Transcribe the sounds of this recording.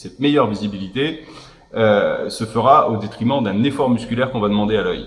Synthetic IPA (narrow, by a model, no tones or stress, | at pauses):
sɛt̪̚mejœʁvizibilit̪e | øsəfəʁaod̪et̪χimɑ̃d̪ɛ̃nefɔʁmyskʲylɛʁkɔ̃vad̪əmɑ̃d̪ealœj